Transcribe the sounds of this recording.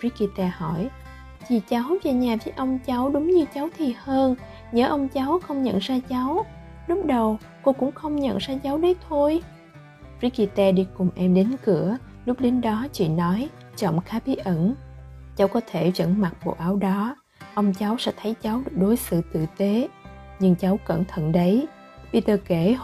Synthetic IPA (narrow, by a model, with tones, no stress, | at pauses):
ɹi˦˥ki˧t̪ɛ˧hɔ˧˩j | t͡ɕi˨˩t͡ɕa˨˦wve˨˩ɲaː˨˩vi˨˦jʔə˧wŋ͡mt͡ɕa˨˦wɗʊ˨˦ŋ͡mɲɨ˧t͡ɕa˨˦wt̪ʰi˨˩həː˧n | ɲəː˨˦ʔə˧wŋ͡mt͡ɕa˨˦wxə˧wŋ͡mɲə̰˧˨nzaː˧t͡ɕa˨˦w | lʊ˦˥k͡p̚ɗə˨˩w | ko˧kʊ̰˧˥ŋ͡mxə˧wŋ͡mɲə̰˧˨nzaː˧t͡ɕa˨˦wɗə˨˦jt̪ʰo˧j | ɹi˦˥ki˧t̪ɛː˧ɗi˧kʊ˨˩mʔɛ˧mɗe˨˦nkɨ˧˩ə | lʊ˦˥k͡p̚ɗe˨˦nɗɔ˨˦t͡ɕḭ˧˨nɔ˨˦j | t͡ɕə̰˧˩˨wŋ͡mxaː˨˦ɓi˨˦ʔə˧˩nt͡ɕa˨˦wkɔ˨˦t̪ʰe˧˩zə̰˧˥nma˨˩k̚ɓo̰˧˨ʔaː˨˦wɗɔ˨˦ | ʔə˧wŋ͡mt͡ɕa˨˦wsɛ̰˧˥t̪ʰə˨˦jt͡ɕa˨˦wɗɨ˨˩ək̚ɗo˨˦jsɨ̰˧˨t̪ɨ̰˧˨t̪e˨˦ɲɨ˧ŋt͡ɕa˨˦wkə̰˧˩nt̪ʰə̰˧˨nɗə˨˦j | ɓi˧˩t̪əː˧˩ke˧˩